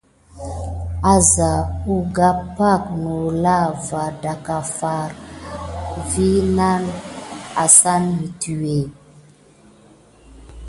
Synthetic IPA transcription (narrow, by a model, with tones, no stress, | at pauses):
a˨za˨u˦ɡa˦pa˦˨k̚nu˨la˦va˨da˨ka˨fa˨ɾ | vi˦na˦na̰˨sa˦nmi˨ti˨we˨